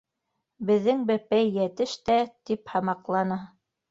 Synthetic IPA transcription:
bɘ̆ðːɘŋbæpæjːæt̪ɘʃt̪æt̪iphɑmɑqlˠɑnɤ

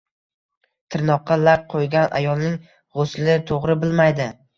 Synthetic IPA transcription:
t̪ʰɪɾnɒqːɑlak̚qʰojɡʲanʔa̰jɒlˠnɪŋ | ʁoslɪt̪ʰoʁɾɪbɪlmajd̪ɪ

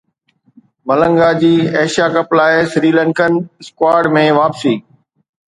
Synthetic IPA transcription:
mɐlə̃ŋɡaːd͡ʑiːeːʃjakəplaːɪsɾiːlə̃ŋkənɪskwaːɖmẽʋaːpsiː

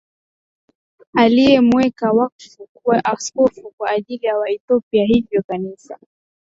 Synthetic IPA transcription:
alijɛmwɛkawakfukuwaʔaskɔfukwaːʄilijawaiθɔpiaɦivjɔkanisa

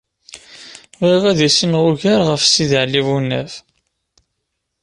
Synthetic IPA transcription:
ʁiʁæðæsənʁʊʝaɾʁəfsiðiʕlːivunːæ̰f

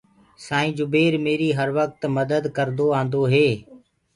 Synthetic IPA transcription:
sãːĩːd͡ʒʊbeːɾmeːɾiːɦəɾʋək̚t̪məd̪əd̪kəɾnd̪oːãːnd̪oɦeː

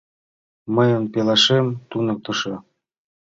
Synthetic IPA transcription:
mə̆jə̆npelɑʃemt̪unɤ̆k̚t̪ɤ̆ʃɤ̆

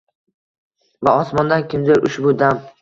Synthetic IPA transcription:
vaɒsmɒnd̪ankʲʰɪmd̪eɾʊʃbʊd̪am

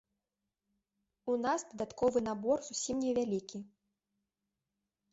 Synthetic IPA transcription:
unasd̪ɐd̪at̪kɔvɨnabɔrzusʲimnʲɛvʲalʲikʲi

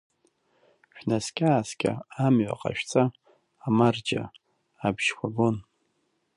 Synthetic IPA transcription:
ʃᶣnaskʲʼaːskʲʼa̰amɥʷa̰qʼa̰ʃᶣt͡sʼaː | mard͡ʒa̰ | abʒkʷʰaɡon

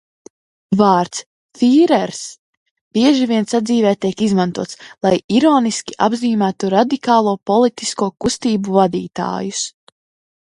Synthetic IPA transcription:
vaːɾt̪s | fiːɾɛɾs | b̥iɛʒiviɛnsad̪ziːvɛːt̪iɛkizmãnt̪uɔt̪slˠajiɾɔːniskʲiʔabziːmæːt̪uɾad̪ikaːlˠuːpɔlˠit̪i̥skuɔkust̪iːbuvad̪iːt̪a̰ːjus

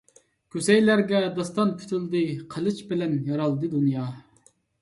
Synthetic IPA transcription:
kʲʰøsɛjlæɾɡʲɛd̪ɑst̪ɑnkʲʰy̥t̪ʰɪld̪ɨqʰəlˠɨt͡ʃbɪlɛnjɑɾɑlˠd̪ɨd̪unjɑ

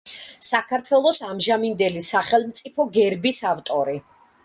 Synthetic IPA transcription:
sakʰaɾt̪ʰwɛlˠɔsamʒamind̪ɛlisaχɛlˠmt̪sʼipʰɔɡɛɾbisavt̪ʼɔɾi

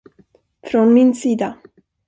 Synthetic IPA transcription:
fɾɔnmɪnsiːd̪a

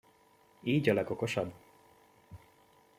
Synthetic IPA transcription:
iːɟɒlɛɡo̞ko̞ʃɒbː

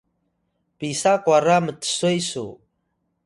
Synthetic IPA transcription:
pisakʷʼaramɨtʰsʷejsṵ

